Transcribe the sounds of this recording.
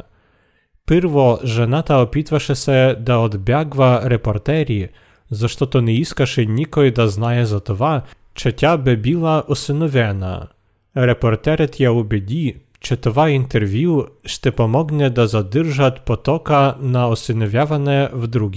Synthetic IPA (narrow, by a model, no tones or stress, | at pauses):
pɪɾvɔʐɛnat̪aɔpʲit̪vaʂɛsɛd̪aɔd̪bʲjaɡvaɾɛpɔɾt̪ɛɾʲi | zaʂt̪ɔt̪ɔnɛiskaʂɛnʲikɔjd̪aznajɛzat̪ɔva | t͡ʃɛtʲabɛbʲilˠaʔɔsɪnɔvʲɛna̰ | ɾɛpɔrt̪ɛɾɛt̪ʲjaubʲɛdʲi | t͡ʃɛt̪ɔvaint̪ɛɾvʲjuʂt̪ɛpɔmɔɡnʲɛd̪azad̪ɪrʒat̪ʲpɔt̪ɔkanaɔsɪnɔvʲjavanɛvd̪ɾuɡʲi